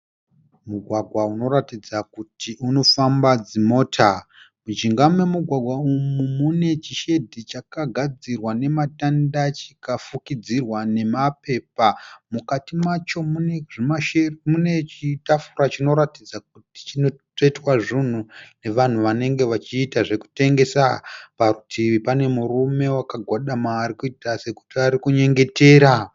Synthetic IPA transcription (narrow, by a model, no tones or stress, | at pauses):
muɡʱwaɡʱwauno̞ratid͡zakutʰiʔuno̞fambad͡zimo̞ːtʰa | mud͡ʒiŋɡamwe̞muɡʱwaɡʱwaumumune̞t͡ʃiʃe̞dʱit͡ʃakaɡʱad͡zirwane̞matandat͡ʃikafukid͡zirwane̞mape̞ːpamukatimat͡ʃomueʐimaemune̞t͡ʃitafuɾat͡ʃino̞ɾatid͡zak̚uti̥t͡ʃinotoitwaʐin̤une̞ʋan̤uʋane̞ŋɡe̞ʋat͡ʃiːtaʐe̞ku̥te̞ŋɡe̞sapaɾutʰiʋipane̞murume̞wakaɡʱwaɗamaːɾikuitase̞ku̥tiaɾikuɲe̞ŋɡe̞te̞ːɾa